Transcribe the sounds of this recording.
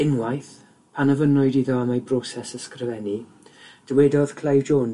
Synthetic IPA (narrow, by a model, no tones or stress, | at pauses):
ɪnwajθ | pʰanəvənɔɨdiðɔamabrɔsɛsəskrəvɛni | d̥əwɛdɔð̥kʰl̥ˠajvd͡ʒoːn